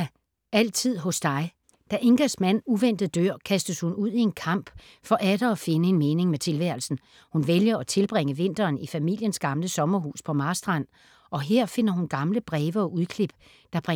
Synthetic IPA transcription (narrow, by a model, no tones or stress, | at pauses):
æl̰t͡sʰið̰ˠɦɔ̽sd̥ɑ̈ɪ | d̥æʔe̝ŋɡ̥ɐsmæn̰uʋen̰d̥ð̩ˠd̥øɐ̰kʰæsd̥əshunuð̰ˠie̝nkʰɑ̈m̰b̥ | fɒ̽ʔæd̥ɐːfe̝nəe̝nmeːne̝ŋmet͡sʰe̝lʋæɐ̰l̩sn̩ | hunʋeljɐɒ̽t͡sʰe̝lb̥ʁeŋəʋe̝n̰d̥ɐːnifæmil̰jənsɡ̥ɑ̈mləsɒ̽mɐɦṵːspʰɒ̽mɑ̈sd̥ʁɑn̰ | ʔɒ̽ɦe̝ɐ̰fe̝n̰ɐɦunɡ̥ɑ̈mləb̥ʁɛːʋɐɒ̽ʔuð̞ˠkʰle̝b̥ | d̥ɑ̈b̥ʁ